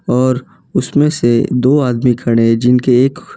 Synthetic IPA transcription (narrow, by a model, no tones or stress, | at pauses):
ɔːɾ | ʊsmẽsed̪oːaːd̪mikʰɐɽ̃ẽd͡ʒɪnkeːk